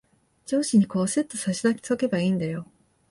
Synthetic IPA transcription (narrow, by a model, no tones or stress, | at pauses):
d͡ʑo̞ːɕiɲ̟iko̞ːset̪ːo̞saɕid̪akʲi̥t͡soke̞baiːnd̪ajo̞